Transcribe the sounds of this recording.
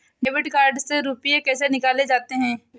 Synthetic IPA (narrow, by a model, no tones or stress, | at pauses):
ɖeːbɪʈkaːɾɖseɾuːpijekɛːsenɪkaːled͡ʒaːt̪eɦɛ̃ː